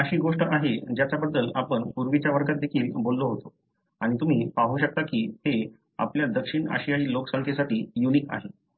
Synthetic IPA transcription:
əɕiːɡoʂʈəʔaɦed͡ʑjat͡sabəd̪ːəlapəɳpuɾʋit͡ɕjaʋəɾkat̪̚d̪ekʰiːlbolːoɦot̪o | aɽ̃it̪um̤iːpaɦuɕək̚t̪akiːhe | a̰pljad̪əkʂiɳa̰ɕijaɭiːloksə̃ŋkʰesaʈiːjuniːka̰ɦe

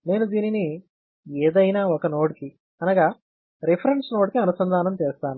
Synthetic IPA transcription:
ne̞ːnud̪iːnini | eːd̪ɐjnaːɔkɐnoːʈiki | ɐnaːɡaː | ɾipʰɐɾeɳɖsnoːʈkiɐnusɐnd̪ʱaːnɐmt͡ʃeːst̪aːnu

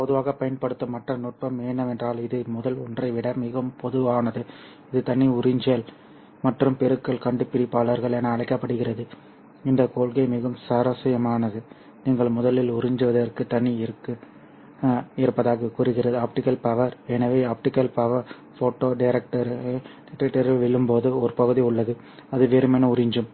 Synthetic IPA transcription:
pɔðɯʋaːɣɐpɐjɐnpɐɽɯt̪ːɐmɐʈrɐnʊʈ̚pɐmeːnɐmɛndraːlɪðɯmʊðɐlɔndrɐɪʋɪɽɐmɪɣɐmpɔðɯʋaːnɐðɯ | ɪðɯt̪ɐɳːiʊrɪɲd͡ʒɐl | mɐʈrɯmpɛɾɯkːɐɭkɐɳɖɯpːɪɾɪpːaːɭɐɾɣɐɭenɐːɭɐɪkːɐpːɐɽɯɣɪrɐðɯ | ɪnd̪ɐkoːɭɣɐɪmɪɣɐmsɐɾɐsɐjɐmaːnɐðɯ | niːŋɡɐɭmʊðɐlɪlʊɾɪɲd͡ʒɯʋɐðɐrkɯt̪ɐɳːiɪɾɯkːɯ | ɪɾɯpːɐðaːɣɐkʊɾɯɣɪrɐðɯaːp̚ʈɪkːɐlpɐʋɐɾɛnɐʋeːaːp̚ʈɪkɐlpɐʋɐɾ | foːʈːoːɖɐɪɾɛk̚ʈɐɾʈɪɾɐʈːɐɾɪlʋɪɭːɯmpoːðɯɔɾɯpɐɣɯðiʊɭːɐðɯ | ɐðɯʋeːɾɯmɛnɐʊɾɪɲd͡ʒɯm

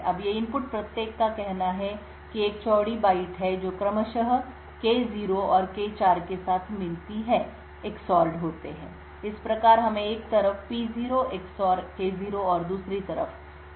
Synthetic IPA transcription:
ɐbjeɪ̃mpʊʈ̚pɾɐt̪jeːkːakɛɦnaɦɛ | kieːk̚t͡ʃɔːɽibaːɪʈɦɛd͡ʒoːkɾɐməʃəɦ | keːziːɾoɔːɾkeːt͡ʃaːɾkesaːt̪ʰmɪlt̪iɦɛ̃ | ɪksɔːlɖɦoːt̪eɦɛ̰̃ː | ɪspɾɐkaːɾɦɐmẽeːk̚t̪ɐɾəfpiziːɾoʔɪksɔːɾkeːziːɾoɔːɾd̪uːsɾit̪ɐɾə̰f

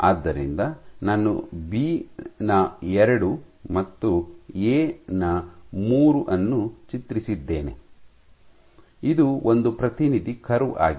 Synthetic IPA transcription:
aːd̪ːɐɾḭnd̪ɐnaːnːṵbiːnɐɛɾɐɽumɐt̪ːueːnɐmuːɾuʔɐnːut͡ʃit̪ɾisid̪ːeːne̞̰ | id̪uond̪upɾɐt̪inid̪ikʰɐɾua̰ːɡi

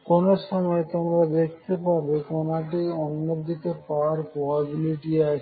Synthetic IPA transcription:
konoʃɔmɔet̪omɾad̪ek̚ʰt̪epaɾbekonaʈ̬iɔnːod̪it̪epaaɾpobabiliʈia

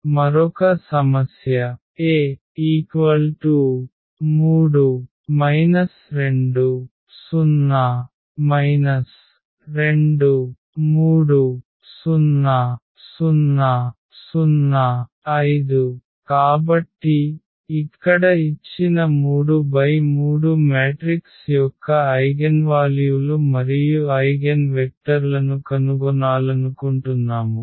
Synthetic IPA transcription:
mɐɾɔkɐsɐmɐsjɐ | eː | iːkʋɐlʈuː | muːɽu | mɐjnɐsɾe̞ɳɖu | sunːɐ | mɐjnɐs | ɾe̞ɳɖu | muːɽu | sunːɐ | sunːɐ | sunːɐ | ɐjd̪u | kaːbɐʈːiː | kːɐɽɐit͡ʃːinɐmuːɽubɐjmuːɽumeːʈɾiksjɔkːɐɐjɡɐnʋaːljulumɐɾijuɐjɡɐnʋek̚ʈɐɾlɐnukɐnuɡɔnaːlɐnukuɳʈunːaːmu

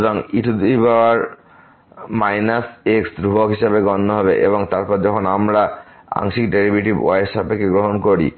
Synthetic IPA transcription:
d̪ɔŋiʈʰud̪uibawaɾ | majnaseksd̪ɾubɔkɦiʃabeɡɔnːɔɦɔbeʔḛbɔŋt̪aɾpɔɾd͡ʒɔkʰɔnamɾa | a̰ŋʃik̚ɖeɾibjuʈib̰a̰jʃapekeɡɾoɦɔnkoɾḭ

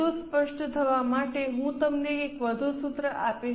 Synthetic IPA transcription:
uspəʂʈət̪ʰəʋamaʈeɦũt̪əmneekʋəd̪ʱusut̪ɾəʔape

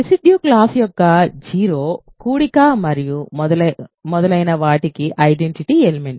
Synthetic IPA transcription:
ɾisiɖjuːklaːsjɔkːɐd͡ʒiːɾoːkuːɽikaːmɐɾijud̪ɐmɔd̪ɐlɐjnɐʋaːʈikiʔɐjɖeɳʈiʈielmeɳ

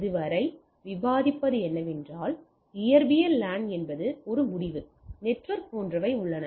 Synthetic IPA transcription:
ɪðɯʋɐɾɐɪ | ʋɪbaːðɪpːɐðɯɛnːɐʋɛndraːl | ɪjɐɾbɪjɐllaːnɛnbɐðɯɔɾɯmʊɽɪʋɯ | nɛʈʋɐɾk̚poːndrɐʋɐɪʊɭːɐnɐ

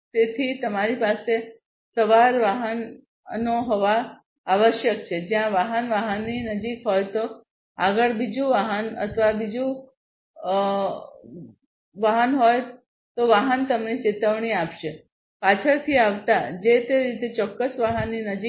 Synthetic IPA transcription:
t̪et̪ʰit̪əmaɾipase | səʋaɾʋaɦən | noɦoʋaː | ʋəʃjək̚t͡ʃʰed͡ʒjãʋaɦənʋaɦənːinəd͡ʒikɦojt̪o | aɡəɭbid͡ʒũʋaɦənə̰t̪ʰəʋabid͡ʒũ | ʋaɦənɦoj | t̪oʋaɦənt̪əmnet͡ʃet̪əʋɳiapʃe | pat͡ʃʰəɾt̪ʰiaʋt̪ad͡ʒet̪eɾit̪et͡ʃɔkːəsʋaɦənːinəd͡ʒi

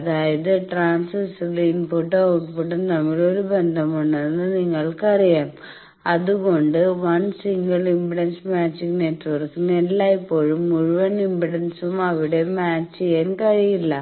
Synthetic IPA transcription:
ɐðaːjɐðɨʈraːnssliːnpuʈːɐɐʈpuʈːɐnɐmːɐɭoɾubend̪ʱɐmuɳːenːɨniŋːɐɭkɐrijaːm | ɐðuɣo̞ɳɖɨʋɐnsiŋɡɐɭimbiɽɐnsmaːt͡ɕːikʲːneːtːʋɐrkːunːelːaːjipːo̞ːɻumuɻuʋɐnimbiɽɐnsumɐʋiɽe̞maːt͡ɕːienkɐrijilːɐ

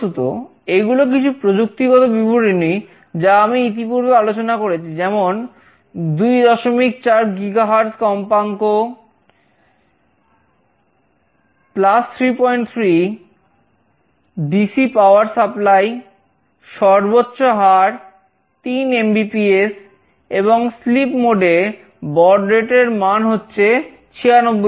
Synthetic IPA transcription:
ot̪o̰ | eɡulok̬it͡ɕʰupɾod͡ʑuk̚t̪iɡɔt̪obibʱuɾinij | d͡ʑaamiit̪̬ipuɾbealot͡ɕonakoɾet͡ɕʰid͡ʑɛmon | d̪ujd̪ɔʃomik̚t͡ɕaɾɡiɡaɦaɾt̪kɔmpaŋko | plast̪ʰɾipɔjɳʈt̪ʰɾi | ɖisipawaɾsaplaj | ʃɔɾbotːɕoɦaɾ | t̪inembipies | eβoŋslipmoɖe | bɔɾɖɾeʈeɾmanɦotːɕʰe | t͡ɕʰianobːo

